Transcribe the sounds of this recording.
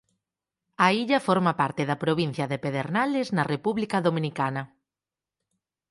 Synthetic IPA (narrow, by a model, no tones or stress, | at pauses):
ɐiʎɐfɔɾmɐpaɾt̪ɪðɐpɾoβin̟θjɐðepeðeɾnalɪznɐrepuβlikɐðomĩnikanɐ